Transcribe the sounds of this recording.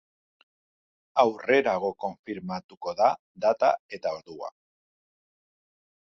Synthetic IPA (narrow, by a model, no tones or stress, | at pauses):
awre̞ɾaɣ̞o̞ko̞ɱfiɾmat̪uko̞ða | d̪at̪a̰e̞t̪ao̞ɾðua̰